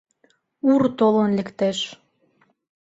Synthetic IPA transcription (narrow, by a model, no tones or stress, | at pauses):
urt̪olɤnlʲĕkt̪eʃ